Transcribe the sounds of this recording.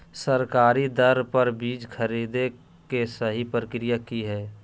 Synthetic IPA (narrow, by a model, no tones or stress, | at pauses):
səɾkaːɾid̪əɾpəɾbiːd͡ʒkʰəɾiːd̪e | kesəɦipɾəkɾijakiɦɛː